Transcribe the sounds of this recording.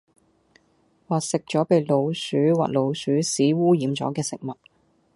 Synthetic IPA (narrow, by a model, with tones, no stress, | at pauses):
waː˨t̚sɪ˨k̚t͡ʃɔː˨˥pe˨˧jlo˨˧wsyː˨˥wa̰ː˨k̚lo˨˧wsyː˨˥siː˨˥wuː˥jiː˨˥mt͡sɔ̰˨˥kɛː˧sɪ˨k̚mɐ˨t̚